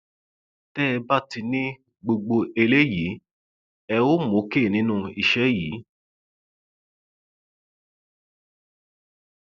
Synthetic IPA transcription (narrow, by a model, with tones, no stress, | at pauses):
tɛ˦˧ba˦ti˧nĩ˦ | ɡ͡bo˧ɡ͡bo˧e˧le˦ji˨˦ | ɛ˧o˦mõ˨˦ke˦˨nĩ˦nũ˦i˧ʃɛ˦jiː˨˦